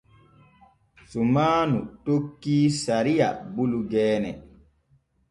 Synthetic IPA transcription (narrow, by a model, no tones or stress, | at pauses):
sumaːnutokːiːsaɾija̰buluɡɛːnɛ̰